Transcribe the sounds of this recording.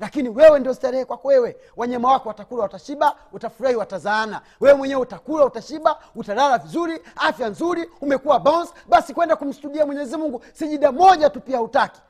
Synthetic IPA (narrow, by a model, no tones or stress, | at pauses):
lakiniwɛwɛndiɔzitaɾɛhɛkwakɔwɛwɛ | waɲamawakɔwatakuɾaataʃiɓautafuɾahiwatazaːna | wɛwɛmwɛɲɛwɛutakuɾautaʃiɓautaɾalavizuɾiafjanzuɾiumɛkuwabɔnzɓasikwɛndakum̩stuɗiamwɛɲɛzimuŋɡusiʄiɗamɔʄatupiautaki̥